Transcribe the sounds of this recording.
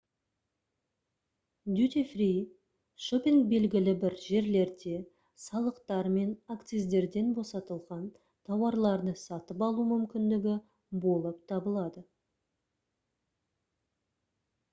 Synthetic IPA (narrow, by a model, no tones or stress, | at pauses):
d̪ut̪ifrij | ʃopʲiŋk̚be̞lɡʲɪlɪbɪɾʒe̞ɾle̞ɾd̪e̞ | sɑlˠəqt̪ɑɾme̞nakt̪sijzd̪e̞ɾd̪e̞nbo̞sɑt̪əlˠʁɑn | t̪ʰɑwɑɾlˠɑɾd̪əsɑt̪əpɑlˠumʏmkʲɪnd̪ɪɡʲɪ | bo̞lˠəp̚t̪ʰɑbəlˠɑd̪ə